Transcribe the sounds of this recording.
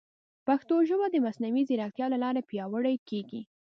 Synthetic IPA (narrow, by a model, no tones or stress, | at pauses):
paxt̪oʒəwad̪əmasnawiziɾɑt̪jɑlalɑɾapjɑwəɽajkeɡi